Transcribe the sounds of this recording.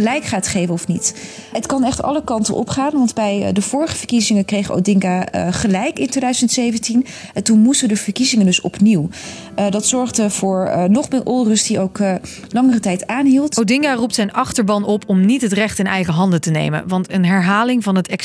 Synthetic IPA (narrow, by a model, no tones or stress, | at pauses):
əlɛjkχaːtχejvənɔfnit | ətkɑnɛχtɑ̰ləkɑntə̰nʔɔ̰pχaːnʋɑndbɛjdəvʊːɹəχəvəɹkizɪŋəkrejχo̰wdɪŋɡaχəlɛjkɪntejdœɥzəntsejvəntinɛntunmustədəv̥əɹkizɪŋəndɵsɔ̰pniw | dɑtsɔɹχdəv̥ʊːɹnɔχmɪːɹʔɔlˠrɵstdiowk | lɑŋərətɛjtaːnɦilˠtowdɪŋɡarup̚tsɛjnɑχtəɹbɑnɔpʰɔmnitɦətrɛχtɪnɛjχəɦɑndətənḛjmə̰nʋɑntənɦɛɹɦaːlɪŋvɑnɦətɛk